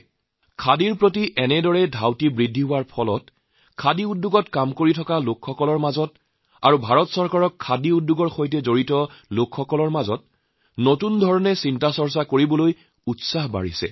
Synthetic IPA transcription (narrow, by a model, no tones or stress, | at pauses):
kʰadiɹpɹotiʔɛnɛdɔɹɛdʱawtibɹidʱːiɦʊwaɹpʰɔlɔt | kʰadiudːuɡɔtkamkoɹitʰɔkalokʰxɔkɔlɔɹmazɔt | a̰ɹubʱaɹɔtsɔɹkaɹɔkʰːadiudːuɡɔɹxojtɛzoɹitɔlokʰxɔkɔlɔɹmazɔt̚ | notundʱɔɹɔnɛsintasɔɹsakoɹibɔloj | utsaɦba̰ɹisɛ̰